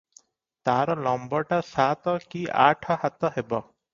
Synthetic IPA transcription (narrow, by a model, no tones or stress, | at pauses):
t̪aɾɔlɔmbɔʈasat̪ɔkiʔa̰ʈʰɔɦat̪ɔɦebɔ